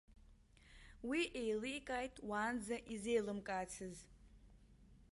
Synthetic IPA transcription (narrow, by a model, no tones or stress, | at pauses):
wiʔejlikʼajtʼwaːnd͡zaʔize̞jlɨmkʼaːt͡sʰɨz